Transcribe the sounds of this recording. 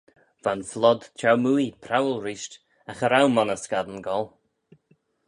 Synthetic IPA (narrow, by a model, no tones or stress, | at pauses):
v̥anflɔd̪t͡ʃʰawmuipʰɾawəlˠɾiːʃt | axəɾawmɔnəskad̪ənɡɔlˠ